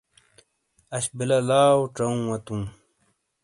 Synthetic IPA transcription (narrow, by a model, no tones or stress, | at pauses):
ɐɕbilɐlaːwʈ͡ʂɐũwɐt̪ũː